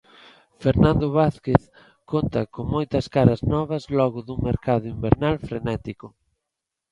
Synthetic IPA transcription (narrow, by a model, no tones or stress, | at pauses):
feɾnãnd̪ʊβaθkeθ | kont̪ɐkoŋmojt̪ɐskaɾɐznɔβɐzlɔɣʊðuŋmeɾkaðʊimbeɾnalfɾenɛt̪ikʊ